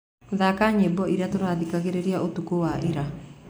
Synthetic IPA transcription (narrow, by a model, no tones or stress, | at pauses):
ðakaɲebɔʔiɾatoɾaːðikaɣeɾeɾiaʔotukowaʔeɾa